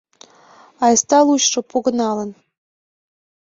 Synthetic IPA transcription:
ɑjst̪ɑlˠuɕʂŏpuɣɤ̆nɑlə̆n

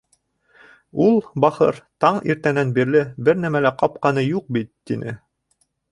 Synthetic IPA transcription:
ulˠbɑχɤ̰ɾt̪ɑɴḭɾt̪ænænbiɾlɘbɘɾnæmælæqɑp̚qɑnɤjuq̚bit̪ːinʔɘ

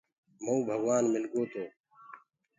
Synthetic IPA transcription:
moũːbʱəɡʋaːnmɪlkoːt̪oː

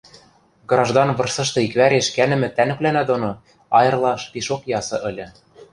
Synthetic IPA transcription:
ɡrɑʒd̪ɑnβɤ̆rsɤ̆ʃt̪ɤ̆ikβæɾeʃkænɘ̆mɘ̆t̪ænɘ̆plænæd̪ono | ɑjɤ̆rlˠɑʃpiʃokjɑsɤ̆ʔɘ̆lʲɘ̆

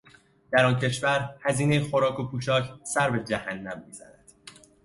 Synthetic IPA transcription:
d̪̥æɾɒːncʰe̞ʃvæɾhæziːne̞jexo̞ɾɒːkʰopʰuːt͡ʃʰɒːcʰsæɾbe̞d͡ʒæhænːæmːiːzæ̰næd̪̥

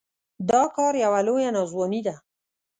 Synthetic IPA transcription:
d̪ɑkɑɾjawalojanɑzwɑnid̪a

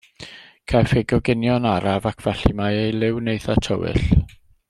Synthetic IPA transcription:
kʰafɪɡɔɡɪnjɔnaɾavakʰv̥ɛɬimajejlˠɪwnejθatʰɔwɪ̰ɬ

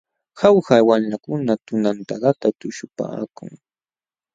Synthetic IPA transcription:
hawhawamlakʊnat̪ʊnant̪aɢat̪at̪ʊʃʊpa̰ːkʊ̰ŋ

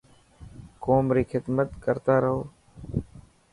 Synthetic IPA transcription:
koːmɾiːkʰɪd̪mət̪kəɾt̪aːɾəɦoː

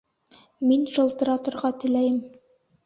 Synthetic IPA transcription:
minʃɤ̆lˠt̪ɤ̆ɾɑt̪ɤ̆ɾʁɑt̪ɘ̆læjɘm

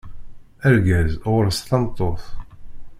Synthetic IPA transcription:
æɾɡæzʊɾst̪ɑmt̪ˤːoθ

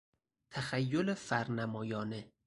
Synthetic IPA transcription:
t̪ʰæxæjːolefæɾnæmɒːjɒːne

